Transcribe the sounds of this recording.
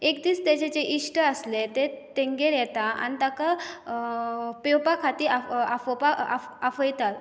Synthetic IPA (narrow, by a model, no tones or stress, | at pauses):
ekd̪iːst̪jat͡ɕet͡ɕeʔiʂʈəəslet̪et̪ẽŋɡeɾjɛt̪aa̰nit̪aka | pewpakʰat̪iːaafpaafəjt̪at̪